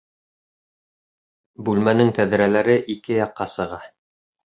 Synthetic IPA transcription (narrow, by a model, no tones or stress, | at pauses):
bʉlmænɘŋt̪æðɘ̆ɾælæɾɘʔikɘjɑqːɑsɤ̆ʁɑ